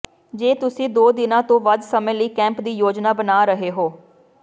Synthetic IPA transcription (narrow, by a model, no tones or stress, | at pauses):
d͡ʒeːt̪ʊsĩːd̪oːd̪ɪnãːt̪õːʋəd̪səmẽːləiːkɛ̃ːmpd̪iːjoːd͡ʒnaːbənaːɾəɦeːɦoː